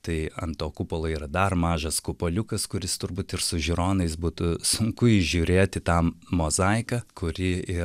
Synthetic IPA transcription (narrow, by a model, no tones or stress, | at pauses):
t̪ɐɪɐ̰nt̪oːkupolˠoːiːɾɐd̪ɐrmɑːʒɐskʊpoːlʲʊkɐskʊɾʲɪst̪ʊɾbuːt̪ɪrsʊʒʲɪɾoːnɐɪsbuːt̪ʊsʊŋkʊɪʒʲuːɾʲeːt̪ʲɪt̪ɑːmoːzɐɪkɐkʰʊɾʲɪɪ